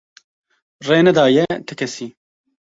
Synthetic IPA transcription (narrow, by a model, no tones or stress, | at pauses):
reːnɛd̪aːjɛt̪ʰɨkʰɛsiː